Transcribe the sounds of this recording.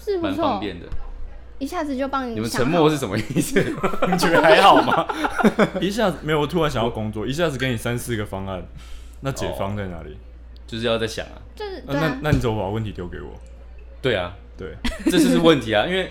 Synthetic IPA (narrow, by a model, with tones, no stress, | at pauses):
ʂɻ̩˥˧a˧nɑ˥˧ŋpjɛ˥˨nd̪ə̰˩ | i˧˥ɕja˥˩d͡z̩˨t͡ɕjo˥˧ʊpɑ˥ŋni˨i˨mə˨˦nʈ͡ʂʰə˧˦nmwɔ˥˧ʂɻ̩˥˩ʂə˨˩mə˦i˥˩s̩˨˩˨t͡ɕjo˥˩ə˧˩xa˧˦ɪxɑ˨˩ʊma˦ | i˧ɕja˥˩d͡z̩˩me˧˥ɪwɔ˨˩u˦ɻa˧˦nɕ̬ɑ˨ŋjɑ˥˩ko˦ŋt͡swɔ˥˨i˧˦ɕ̬ja˥˩d͡zɹ̩˨˩ke˥ni˨˩sa˦nsɹ̩˥˨ɡə˩fɑ˦ŋa̰˥˩n | na˥˩t͡ɕjɛ̰˨˩fɑ˦ŋt͡sa˥˩ɪna̰˧˥lḭ˨˩˦ | t͡ɕjo˥˧ʊʂ̩˥˧jɑ˥˧ʊt͡sa˥˩ɪɕjɑ̰˨˩ŋa̰˨˩o˥˧˥na˥˨na˥˩ni˨˩t͡so˧˦pa̰˨˩wə˥˨nt̪i˨˦t̪jo˥˩ʊke˧˥ɪwɔ̰˨˩˦ | t̪we˥˩ɪa̰˩ | t̪we˥˩ɪʈ͡ʂt͡ɕo˥˧ʂ̬̩˥˧wə˥˨nt̪ʰi˨˥a˨i˥nwe˥˩ɪ